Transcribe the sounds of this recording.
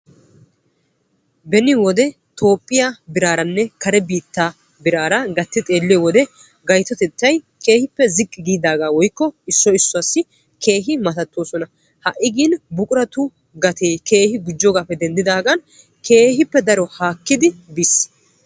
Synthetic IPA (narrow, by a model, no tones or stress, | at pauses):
bɛnɪwɔd̪ɛ | t̪o̞ːpʼːɪjabɪɾaːɾɐnːɛkɐɾɛbiːt̪ːa | bɪɾaːɾɐɡɐt̪ːɪt̪ʼe̞ːlːɪɔwɔd̪ɛ | ɡɐjt̪ɔt̪ɛt̪ːɐj | kʰe̞ːhɪpːɛzɪkʼːɪɡiːd̪aːɡaːwɔjkːɔɪsːɔɪsːɔasːɪ | kʰe̞ːɦɪmɐt̪ɐt̪ːoːsɔnɐ | hɐʔɪɡiːnbʊkʼʊɾɐt̪ʊ | ɡɐt̪eːke̞ːhɪɡʊd͡ʒːɔɡaːpːɛd̪ɛnd̪ɪd̪aːɡɐn | kʰe̞ːɦɪpːɛd̪ɐɾɔhaːkːɪd̪ɪbis